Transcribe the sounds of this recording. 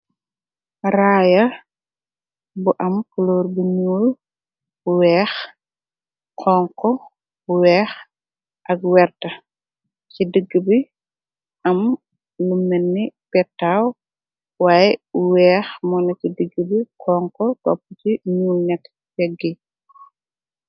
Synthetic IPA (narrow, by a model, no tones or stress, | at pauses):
raːjɐ | buʔɐmkulɔːrbuɲuːl | wɛːx | kʰɔːŋkɔ | bwɛːx | ʔɐk̚wɛrtɐ | cidəɡːəbi | ʔɐm | lumːɛnːipɛtːaːw | waːjɛwɛːxmɔnɐcidəɡːəbikʰɔːŋkɔkɔpːəciɲuːlnɛkː | tɛɡːi